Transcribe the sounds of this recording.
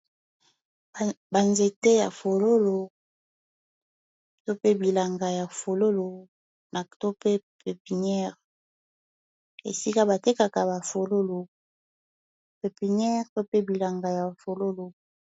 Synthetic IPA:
ba˨nze˨te˦ja˨fo˨lo˦lo˨ | to˦pe˦bi˨la˨ŋɡa˨ja˨fo˨lo˦lo˨ | na˨to˦pe˦pe˨pi˨nɛ˦ʁ | ḛ˨si˦ka˦ba˨te˦ka˨ka˨ba˨fo˨lo˦lo˨ | pe˨pi˨nɛ˦ʁpe˦pe˦bi˨la˨ŋɡa˨ja˨fo˨lo˦lo˨

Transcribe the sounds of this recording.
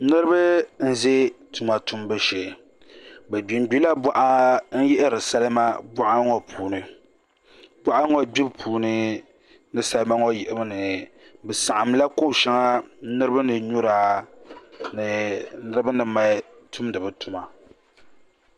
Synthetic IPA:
nɨ˦ɾɨ˦bɨ˦n̩˦ze˦tu˨ma˨tu˦mbɨ˦ʃe˨ | bɛ˨bi˨m̩˨bi˦la˦ba˦ʔa˦n̩˦jɛ˦ʔɪ˦ɾɨ˨sa˦lɨ˦ma˦ba˦ʔa˦ŋɔ˨pʰuː˨nɨ˨ | ba˦ʔa˦ŋo˨bi˦bpʰuː˨nɨ˦ | nɨ˨sa˦lɨ˦ma˦ŋɔ˦ji˨ʔɪ˨ba˦nɨ˨bɛ˨sa˨ʔa˨mla˦ko˦˨ʃɛ˦ŋa˦nɨ˦ɾɨ˦ba˦nɨ˨ɲu˦ɾaː˨˦ | nɨ˨nɨ˦ɾɨ˦bɨ˦nɨ˨ma˦ | tʰu˦mdɨ˨bɨ˨tu˨ma˨

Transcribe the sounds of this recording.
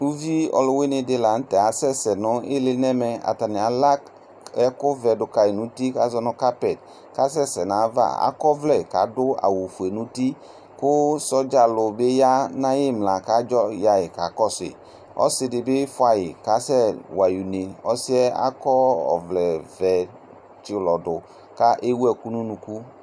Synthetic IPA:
nu˦vi˦ɔ̰˨lʊ˦we˦nɪ˨dɪ˦la˨˦n̩˦tɛ˨a˨˦sɛ˦sɛ˨nʊ̃˨˦ɪ̰˦lɪ˦nɛ˦mɛ˨a̰˨ta˨nɪ˨a˨la˦k | ɛ˦kʊ˦vɛ˨dʊ˨ka˨jɪ˨nũ˨˦ti˦ka˦zɔ˦nʊ̃˦ka˦pɛ˨t̚ | ka˦sɛ˦sɛ˨nã˨˦va̰˦a̰˦kɔ˦vlɛ˨ka̰˨˦dʊ˦a̰˨wu˨fu˨e˨nũ˨˦ti˦ | kʊ˦sɔ˦d͡ʒa˨lʊ˨be˦ja˦nã˦jɪ˦˨mla˨ka˦d͡ʒɔ˦ja˨jɪ˨ka˨˦kɔ˦sɪ̰˨ | ɔ̰˦sɪ˧dɪ˨bɪ˦fʊ˦a˨jɪ˨ka˨˦sɛ˦wa˨ju˨ne˨ɔ˦sɪ˦ɛ˦a̰˦kɔ˦ɔ̰˨vlɛ˨vɛ˨ | t͡ʃɪ˦˨lɔ˨dʊ˨ | ka˦ʔe˦wɛ˦˨ku˦nũ˦nũ˨ku˦

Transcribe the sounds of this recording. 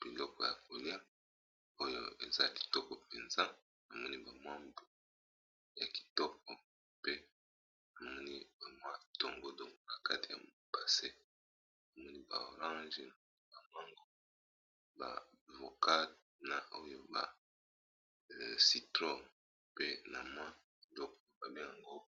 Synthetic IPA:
b̥i˨lɔ˦kɔ˨ja̰˨ko˨li˦a˦ | o˦jo̰˦ḛ˨za˦ki̥˨tɔ˦kɔ˨pe˨nza˦ | a˨mɔ˦ni˦ba˨mwa˦mb | ja˨ki̥˨tɔ˦k̚ɔ˨ | pe˦ | a˨mɔ˦ni˦ba˨mwa˦d̥o˦ŋɡo˦do˨ŋɡo˦na˨ka˦ti˨a̰˨m | pa˨se˦ | a˨mɔ˦ni˦ba̰˨o˨ʁã˦nʒ | ba˨ma˦ŋɡo˦ | ba̰˨vo˨ka˦ | na˨o˦jo˦ba̰˨ | si˨tʁo˦ | pe˦na˨mwa˦ | i˨dɔ˦kɔ˨ma˨ba˨li˦ja˨ŋɡo˦

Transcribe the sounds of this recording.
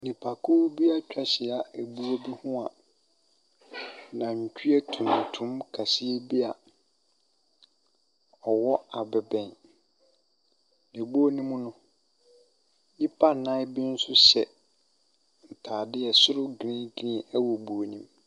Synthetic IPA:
nĩ˨pʰa˨kʰʊ˦bi˦a˦t͡ɕᶣa˨ɕɪ˨a˨e˨bu˦o˦bi˦hʊ̃˦a˨ | nã˨ɲ̩˨t͡ɕᶣi˦e˦tʰũ˨n˨tʰũ˦mkʰa˨sɪ˦e˦bi˦a˨ | ɔ˨wɔ˦a˨bɛ˨bɛ̃˨n | nẽ˨bu˦o˦nĩ˦mũ˦nʊ̃˦ | ji˦pʰa˦˨nã˦ɪ˦bi˦n̩˦sʊ˦ɕɛ˨ | n̩˨tʰaː˨dɪ˦ɛ˨sʊ˦ɾʊ˦ɡɾĩ˦ɡɾĩ˦æ˦wo˨bu˨o˨nĩ˦m

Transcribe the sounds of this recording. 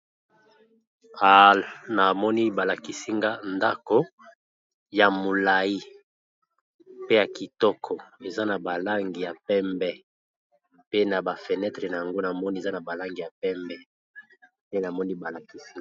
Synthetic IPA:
a˨lna˨mɔ˦ni˦ba˨la˨ki˨si˦ŋɡa˦nda˦ko˦ | ja˨mo˨la˨ji˦ | pe˦ja˨ki˨tɔ˦kʰɔ˨e˨za˦na˨ba˨la˦ŋɡi˨ja˨pɛ˦mbɛ˦ | pe˦na˨ba˨fe˨nɛ˦tʁe˨na˨ja˨ŋɡo˦na˨mɔ˦ni˦e˨za˦na˨ba˨la˦ŋɡi˨ja˨pɛ˦mbɛ˦ | pe˦na˨mɔ˦ni˦ba˨la˨ki˨si˦

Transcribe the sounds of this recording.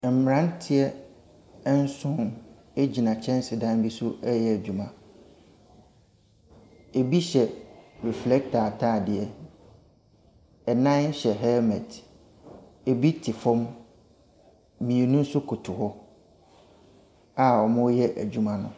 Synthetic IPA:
m̩˨m˨ɾã˦n˦tʰɪ˦ɛ˦ | n̩˦sʊ̃˦n | e˦d͡ʑi˨nã˨t͡ɕʰɛ̃˦n˦sɪ˨dã˦nbi˦sʊ˦ɛ˦jɛ˦æ˨d͡ʑᶣu˨mã˨ | e˨bi˦ɕɛ˨ɾi˨flɛ˦k̚tʰa˨tʰaː˦˨dɪ˨ɛ˦˨ | ɛ˨nã˦ɕɛ˨ɦɛ˦mɛ̃˨t | e˨bi˦tʰɪ˨fɔ̃˦m | ĩ˨e˨nũ˦n̩˦sʊ˦kʰʊ˨tʰʊ˨hɔ˦ | a˦ɔ˨mʊ̃˦jɛ˦ʔæ̰˨d͡ʑᶣu˨mã˦nʊ̰̃˦

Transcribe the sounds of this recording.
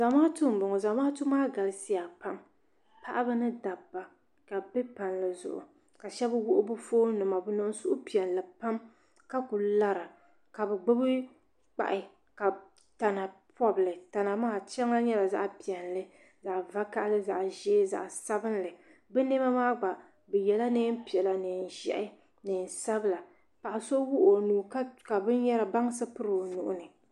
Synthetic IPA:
za˨maː˦tu˦m̩˨bʊ˨ŋɔ˨za˨˦maː˦tu˦maː˦ɡa˨lɨ˦si˦a˨pa˦m | pa˦ʔbɨ˦nɨ˦da˨bːa˨ | ka˨bɛ˦pa˨nlɨ˨zʊ̰˨ʔʊ̰˨ | ka˨ʃɛ˦bɨ˦wʊ˦ʔʊ˦bʊ˦foː˦nɨ˨ma˨bɨ˨nʊ˦˨ʊ˦sʊ˦ʔʊ˦pi˨ɛ˨nlɨ˨pa˦m | ka˦ku˨la˦ɾa˨ | ka˨bɨ˨ɡ͡bɨ˦bɨ˦ | k͡pa̰˨ʔɪ˨ | ka˨ | ta˨na˨pɔ˦bɨ˨lɨ˨ta˨na˨maː˦˨t͡ʃɛ˦ŋa˦ɲɛ˦la˨za̰˦ʔpi˨ɛ˨nlɨ˦ | za˨ʔva˦ka˦ʔlɨ˦za̰˨ʔʒɛː˦za̰˨ʔsa˦bɨ˦nlɨ˨ | bɛ˦ne˦ba˦maː˦ɡ͡ba˨ | bɛ˨jɛ˨la˦neː˦m˦pi˨ɛ˨la˨nɨ˨n˨ʒɛ̰˨ʔɪ˦ | nɨ˨n˨sa˦bɨ˦la˨ | pa˨ʔa˨so˦wu˦ʔo˨nuː˨˦kka˨bɨ˦n˦jɛ˦la˨ba˦ŋ˦sɨ˦pɨ˦ɾɨ˨nṵ˨ʔʊ̰˦nɨ˨

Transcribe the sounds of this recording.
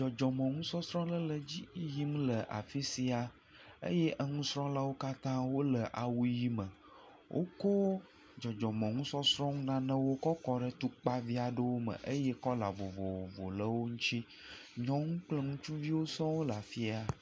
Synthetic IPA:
d͡ʒɔ˨d͡ʒɔ˨mə̃˨ŋũ˦sɔ̃˦sɾɔ̃˦lə˦lə˨d͡ʑi˦ji˦m̃˦lə˨ʔa̰˨fi˦si˦a˨ | ḛ˦je˦ʔə˦ŋũ˦sɾɔ̃˦la˦wo˦ka˦t̪ã˦wo˦lə˨ʔa˨wu˦ji˦mə̃˨ | wʔo̰˦ko˦ | d͡ʒɔ˨d͡ʒɔ˨mə̃˨ŋũ˦sɔ̃˦sɾɔ̃˦ŋũ˦nã˦nə̃˦wo˦kɔ˦kɔ˦ɖə˦t̪u˦k͡pa˦vi˦a˨ɖə˦wo˦mə̰̃˨ʔə˦je˦kɔ˦la˨vo˨vo˨o˨vo̰˨lə˦wo˦ŋũ˦t͡ʃi˦ | ɲɔ̃˦ŋũ˦k͡plə˦ŋũ˦t͡ʃũ˦vi˦wo˦sɔ̃˦wo˦la˨fi˦a˨

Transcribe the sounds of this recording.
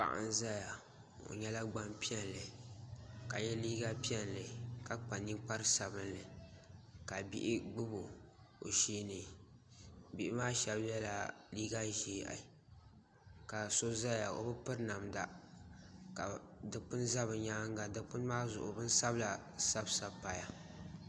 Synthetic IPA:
k͡pa̰˨ʔa̰˦n˦za˦ja˨ | o̰˨ɲɛ˦la˦ɡ͡ba˦mpi˦ɛ˦nlɨ˨ | ka˨ɲɛ˦liː˦ɡa˦pi˦ɛ˦nlɨ˨ka˨k͡pa˨ni˦k͡pa˦ɾɨ˦sa˨bɨ˦nlɨ˨ | ka˨bḭ˦ʔɪ˦ɡ͡bɨ˦bo˨ | o̰˨ʃiː˦nɨ˨ | bi˦ʔɪ˦maː˦ʃɛ˦bjɛ˦la˨liː˦ɡa˦ʒiː˦ʔa̰˨ | ka˨so˦za˦ja˨o̰˨bɨ˦pɨ˦ɾna˨mda˦ | ka˨dɨ˨k͡pʊ˦n˦za˦βɨ˨ɲaː˦ŋ˦ɡa˨dɨ˨k͡pʊ˦n˦maː˦zʊ̰˨ʔʊ̰˨bɨ˦n˦sa˦bla˨sa˦bsa˨pa˨ja˨

